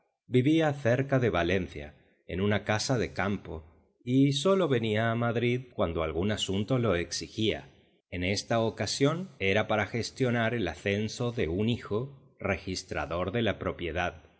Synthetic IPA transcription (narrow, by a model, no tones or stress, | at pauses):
biβiaθe̞ɾkaðe̞β̞ale̞n̟θja̰ | e̞̰nũnakasaðe̞kampo̞ | iso̞lo̞βe̞niaːmaðɾiðkwand̪o̞alɣunasunt̪o̞lo̞eksixia̰ | e̞ne̞st̪aokasjo̞ne̞ɾapaɾaxe̞st̪jo̞naɾe̞laθe̞nso̞ðe̞unixo̞ | re̞xist̪ɾa̰ðo̞ɾðe̞lapɾo̞pje̞ðað